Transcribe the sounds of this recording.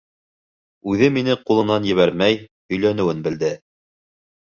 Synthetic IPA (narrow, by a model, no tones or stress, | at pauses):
ʉðɘminɘqulˠɤ̆nɑnjɘ̆βæɾmæj | ɵ̆jlænɘ̆wɘnbɘ̆ld̪ɘ